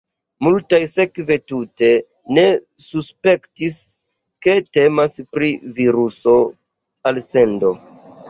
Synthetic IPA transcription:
multajse̞kve̞tute̞ | ne̞ | suspe̞ktis | ke̞te̞maspɾiviɾuso̞ | alse̞ndo̞

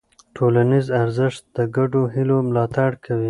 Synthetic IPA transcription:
ʈʰolanizaɾzɪʃt̪̚d̪̥əɡaɖoɦilomlɑt̪aɽkʰawi

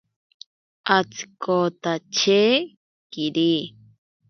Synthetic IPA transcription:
ʔat͡si̥kot̪at͡ʃeː | kiɾi

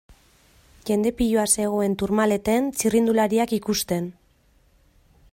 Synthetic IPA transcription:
ʝe̞nd̪e̞piʎoase̞ɣ̞o̞e̞nt̪uɾmale̞t̪ent͡sirind̪ulaɾiakikust̪e̞n

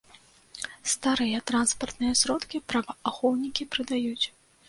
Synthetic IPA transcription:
st̪aɾɨjɐt̪ɾanspɐrt̪nɨjɐsɾɔt̪kʲipɾɐbɐaxɔwnʲikʲipɾɨd̪ajut͡sʲ

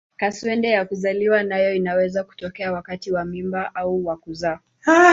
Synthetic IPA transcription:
kaswɛndɛjakuzaliwanajɔinawɛzaku̥tɔkɛawakatiwamimbaʔauwakuza

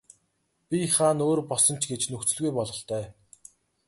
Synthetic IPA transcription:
pʲiχaːnoːrpɔɮsɞ̆n̥t͡ɕʰɡet͡ɕnɵxt͡sɵ̆ɮɣujpɔɮʁɞ̆ɬt̪œː

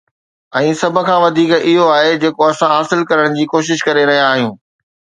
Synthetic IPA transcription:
ɛ̃ːsɐbʱə̆kʰãːʋɐd̪ʱiːkɪɦoaːɦed͡ʑeːkoɐsãɦaːsɪlkɐɾəɽ̃d͡ʑiːkoːʃ̬ɪʃkɐɾeɾɐɦijaaːɦijũː

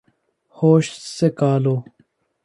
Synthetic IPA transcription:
hoːɕsekaːloː

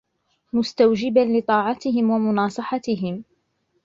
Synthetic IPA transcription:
mʊst̪awd͡ʒɪbanlɪt̪ˤɑːʕɑt̪ɪɦɪmwamʊnɑːsˤɨħɑt̪ɪɦɪm

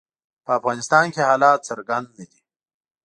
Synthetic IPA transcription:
pəːfɣɑːnɪst̪ɑːnkehɑːlɑːt̪sɐɾɡand̪nəd̪i

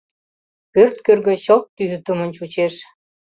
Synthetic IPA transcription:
pørt̪̚kørɣø̆ɕolt̪t̪ːyzyt̪umənt͡ɕut͡ɕeʃ

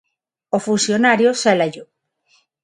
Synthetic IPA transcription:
ofunsjonaɾjoselaʝo

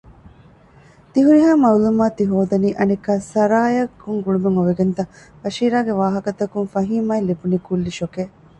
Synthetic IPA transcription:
t̪iɦuɾiɦaːmɐulumaːt̪iɦoːd̪ɐniːʔɐnikːaːsɐɾaːjɐkːuŋɡuɭumeŋoʋeɡent̪ɐ | fɐʃiːɾaːɡeʋaːɦɐkɐt̪ɐkuŋfɐɦiːmaːilibunikulːiʃokeː

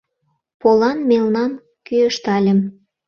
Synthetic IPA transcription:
polɑnmelnɑn | kyəʃt̪ɑlʲə̆m

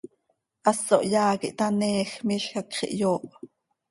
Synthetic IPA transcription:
ʔɑsoʔjɑːkiʔt̪ɑnɛːxmiɬxakχḭʔjoːʔ

